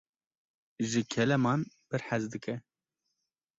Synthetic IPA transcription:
ʒɨkʰɛlɛmɑːn | pɨɾħæzd̪ɨkɛ

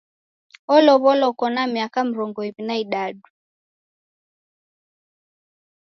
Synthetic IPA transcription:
ɔlɔβɔlɔkɔnamiakam̩ɾɔŋɡɔiβinaiɗaɗu

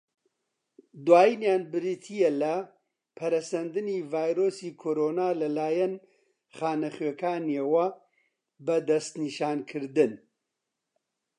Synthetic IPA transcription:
d̪waːjinjaːnbɨɾit̪ʰijɛlɐ | pʰɐɾɐsɐnd̪ɨniːvaːjɾoːsiːkʰoːɾoːnaːlɐlaːjɐn | χaːnɐχɥeːkʰaːnewɐ | bɐd̪ɐst̪niːʃaːnkʰɨɾd̪ɨn

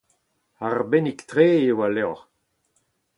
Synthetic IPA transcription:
aʁbenikt̪ʁeːewalɛʁ

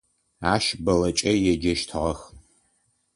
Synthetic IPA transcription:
aːʃbɐlɐt͡ʃʼɐjɛd͡ʒɐʃtʰʁɐx

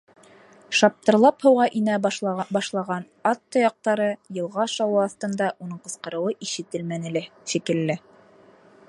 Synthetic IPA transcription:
ʃɑp̚t̪ɤ̆ɾlˠɑphɤ̆wʁɑʔinæbɑʃlˠɑʁɑn | ɑt̪ːojɑq̚t̪ɑɾɤjɤ̆lˠʁɑʃɑwɤɑθt̪ɤ̆nd̪ɑʔunɤɴqɤ̆sqɤ̆ɾɤ̆wɤʔiʃɘ̆t̪ɘlmænɘ̆læʃikɘ̆lːɘ

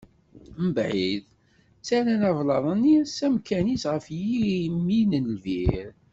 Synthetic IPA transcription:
məbʕið | t͡sːæɾænɑvlɑðˤənisæmkænisʁəfjimːinənlviɾ

